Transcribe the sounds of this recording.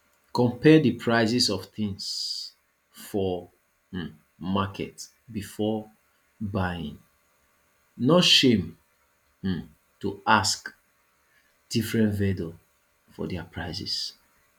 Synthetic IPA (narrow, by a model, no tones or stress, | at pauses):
kɔ̃mpɛdipʰɹaɪsisɔfθĩŋs | fɔ | makʰɛ̰t | bifɔ | bajḭ̃ŋ | noʃẽm̩ | tuask | d̥ifɹɛ̃ntvɛdo | fɔ̰dɛapɹaɪsḭs